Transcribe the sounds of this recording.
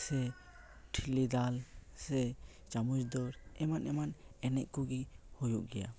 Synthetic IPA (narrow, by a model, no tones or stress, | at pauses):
sɛ | ʈʰilid̪alsɛ | t͡ʃamud͡ʒd̪ɔɾɛmanɛmanɛnɛʔkuɡihojuʔ̚ɡɛja̰